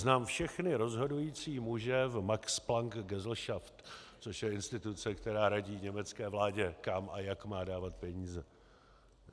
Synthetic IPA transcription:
znaːmfʃɛxnɪɾo̞zɦo̞dujiːt͡siːmuʒɛvmaksplaŋkɡɛzl̩ʃaft̪ | t͡soʃjɛɪnst̪ɪt̪ut͡sɛkt̪ɛɾaːɾaɟiːvɲɛmɛt͡skɛːvlaːɟɛkamʔajakmaːdaːvat̪pɛɲiːzɛ

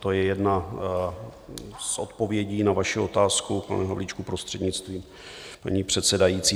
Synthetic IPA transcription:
t̪o̞jɛjɛdna | sʔo̞t̪po̞vjɛɟiːnavaʃɪo̞t̪aːskupl̩̰nɛɦovlit͡ʃkupɾost̪r̥ɛdɲɪt͡st̪viːm | pa̰ɲiːpr̝̥ɛt̪sɛdajit͡siː

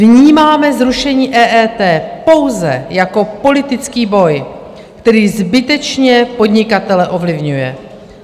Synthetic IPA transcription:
vɲiːmaːmɛzɾuʃɛɲiːʔɛːʔɛːt̪ɛːpo̞wzɛ̰jako̞po̞lɪt̪ɪt͡skiːbo̞j | kt̪ɛɾiːzbɪt̪ɛt͡ʃɲɛpo̞d̪ɲɪkat̪ɛlɛʔo̞vlɪvɲujɛ̰

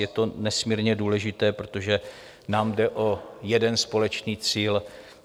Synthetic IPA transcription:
jɛt̪o̞nɛsmiːɾɲɛduːlɛʒɪt̪ɛːpɾot̪o̞ʒɛ | naːmdɛʔo̞jɛdɛnspo̞lɛt͡ʃniːt͡siːl

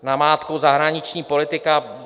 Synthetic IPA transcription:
namaːt̪kowzaɦɾaɲɪt͡ʃɲiːpo̞lɪt̪ɪka

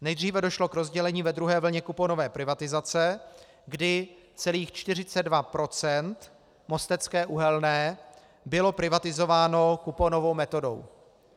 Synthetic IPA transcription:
nɛjd̪r̝iːvɛdo̞ʃlo̞kɾo̞zɟɛlɛɲiːvɛd̪ɾuɦɛːvl̩ɲɛkupono̞vɛːpɾɪvat̪ɪzat͡sɛ | ɡdɪ | t͡sɛliːxt͡ʃt̪ɪrɪt͡sɛddvapɾo̞t͡sɛnt̪ | mo̞st̪ɛt͡skɛːʔuɦɛlnɛː | bɪlo̞pɾɪvat̪ɪzo̞vaːno̞kupono̞vo̞wmɛt̪o̞do̞̰w

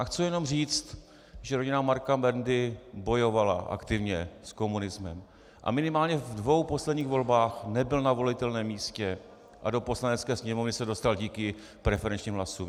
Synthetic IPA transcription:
xt͡sujɛno̞mriːt͡st̪ | ʒɛɾo̞ɟɪnamaɾkamɛɾndɪbo̞jo̞vala̰ʔa̰kt̪ɪvɲɛsko̞munɪzmɛm | ʔa̰mɪnɪmaːlɲɛvdvo̞wpo̞slɛdɲiːɣvo̞lbaːxnɛbɪlnavo̞lɪt̪ɛlnɛːmːiːscɛ | ʔado̞po̞slanɛt͡skɛːsɲɛmovnɪsɛdo̞st̪alɟiːkɪ | pɾɛfɛɾɛnt͡ʃɲiːmɦlasu

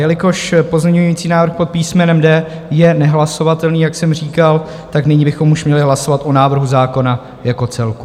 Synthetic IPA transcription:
jɛlɪko̞ʃpo̞zɲɛɲujiːt͡siːnaːvɾrxpo̞t̪̚piːsmɛnɛmdɛːjɛnɛɦlaso̞vat̪ɛlniːjaksɛmriːkal | t̪aknɪɲiːbɪxo̞muʃmɲɛlɪɦlasovat̪ʔo̞naːvr̩ɦuzaːko̞na | jako̞t͡sɛlku

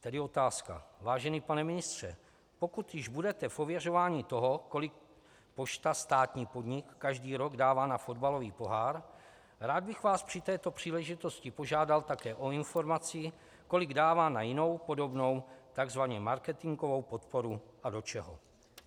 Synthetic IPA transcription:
t̪ɛdɪo̞t̪aːska̰vaːʒɛniːpanɛmɪnɪst̪r̝̥ɛ̰ | po̞kut̪jɪʒbudɛt̪ɛfʔo̞vjɛr̝o̞vaːɲiːt̪o̞ɦo̞ko̞lɪk | po̞ʃt̪ast̪aːt̪ɲiːpodɲɪkːaʒdiːɾo̞ɡdaːvaːnafo̞dbalo̞viːpo̞ɦaːɾ | ɾaːd̪̚bɪxvaːspr̝̥ɪt̪ɛːt̪o̞pr̝̥iːlɛʒɪt̪o̞scɪpo̞ʒaːdalt̪akɛːʔo̞ɪnfo̞ɾmat͡sɪ | ko̞lɪɡdaːvaːnajɪno̞wpo̞do̞bno̞wt̪aɡzvaɲɛmaɾkɛt̪ɪŋɡo̞vo̞wpo̞t̪po̞ɾuʔado̞t͡ʃɛɦo̰

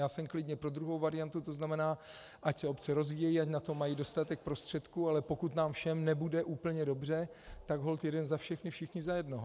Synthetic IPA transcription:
jaːsɛmklɪdɲɛpɾo̞d̪ɾuɦo̞wvaɾɪjant̪ut̪o̞znamɛnaː | ʔacsɛo̞pt͡sɛɾo̞zviːjɛjiacnat̪omːajido̞st̪at̪ɛk̚pɾo̞st̪r̥ɛt̪kualɛpo̞kut̪naːmfʃɛmnɛbudɛʔuːpl̩ɲɛdo̞br̝ɛ | t̪aɡɦo̞lt̪jɛdɛnzafʃɛxnɪfʃɪxɲɪzajɛdnoɦo

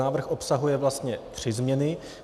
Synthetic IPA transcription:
aːvr̩xʔo̞psaɦujɛvlast̪ɲɛt̪r̝̥ɪzmɲɛnɪ

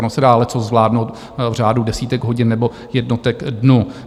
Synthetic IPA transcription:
nosɛdaːlɛt͡sozzvlaːdnowt̪ | vr̝aːdudɛsiːt̪ɛɡɦoɟɪnːɛbo̞ | jɛdnot̪ɛkdnuː

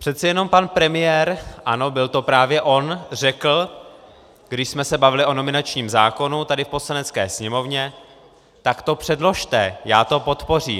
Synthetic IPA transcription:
pr̥ɛt̪t͡sɛjɛno̞mpanpɾɛmɪjɛɾʔano̞bɪlt̪o̞pɾaːvjɛʔo̞nr̝ɛkl̩ | ɡ̥dɪʃsmɛsɛbavɪlɪʔo̞no̞mɪnat͡ʃɲiːmzaːko̞nut̪adɪfpo̞slanɛt͡skɛ̰ːsɲɛmo̞vɲɛ | t̪akt̪o̞pr̝̥ɛdlo̞ʃt̪ɛjaːt̪o̞po̞t̪por̝iː

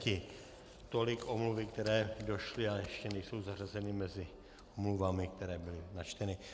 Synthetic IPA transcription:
cɪ | t̪o̞lɪkomluvɪkt̪ɛɾɛːdo̞ʃlɪajɛʃcɛnɛjso̞wzarazɛnɪmɛzɪ | omluvamɪk̚t̪ɛɾɛːbɪlɪnat͡ʃt̪ɛnɪ

